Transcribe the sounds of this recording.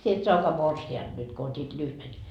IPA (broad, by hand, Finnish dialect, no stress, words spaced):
sie et soɑkɑː morsiɑnd̥ nyt ko otʲit lyhʋen